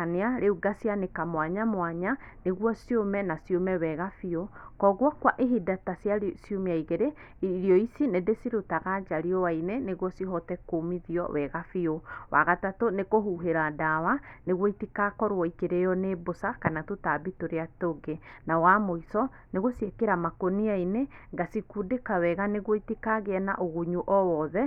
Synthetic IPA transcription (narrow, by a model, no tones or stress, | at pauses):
aneaɾeuɡasianekamwaɲamwaɲaneɣwɔsiomɛnasiomɛwɛɣafiokɔɣwakwaʔeɦidatasjasijomeaiɣeɾe | ɾiɔisinedesiɾotaɣad͡ʒaɾiɔwaineneɣwɔsiɦɔtɛkomiðiɔ̰wɛɣafiowa̰ɣatatonekoɦuɦeɾadawaneɣwɔitikakɔɾwɔikeɾejɔnebosakanatotabitoɾeatoɡenawamoisɔ | neɣosiekeɾamakoniaineŋɡasikudekawɛɣaneɣwɔitikaɣeɛna̰ʔoɣuɲuʔɔwɔðɛ